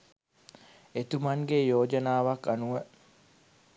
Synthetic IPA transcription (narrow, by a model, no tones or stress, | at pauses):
et̪umɐŋɡejoːd͡ʒənaːʋakːanuʋə